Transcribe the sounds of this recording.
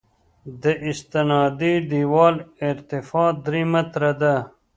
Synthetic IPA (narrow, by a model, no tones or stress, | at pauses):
d̪əʔɪst̪ɪnɑːd̪id̪iwɑːlɪɾt̪ifɑːd̪ɾimɐt̪ɾɐd̪a